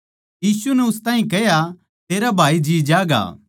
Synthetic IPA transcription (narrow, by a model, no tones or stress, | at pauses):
jiːsunɛʊst̪ãːɦĩkɛja | t̪eːɾabʱaːid͡ʒiːd͡ʒaːɡa̰ː